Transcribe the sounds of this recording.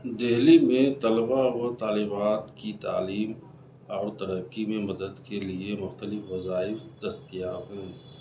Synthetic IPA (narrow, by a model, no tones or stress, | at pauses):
d̪eɦlimẽt̪ɐlbaot̪aːlɪbaːt̪kit̪a̰ːliːm | ɔːɾt̪ɐɾəkːimẽmɐd̪əd̪keliemʊxt̪əlɪfʋɐzaːɪfd̪̥ɐst̪ijaːt̪ɦɛ̃ː